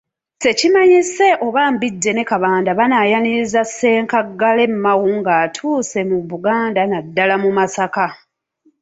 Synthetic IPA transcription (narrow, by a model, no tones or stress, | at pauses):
se̞cimaɲise̞ʔo̞βambidːe̞ne̞kaβaːndaβanajaniɾizasːe̞ːŋkaɡːale̞mːawuŋɡaːtʰuːse̞muβuɡaːndanadːalamumasaka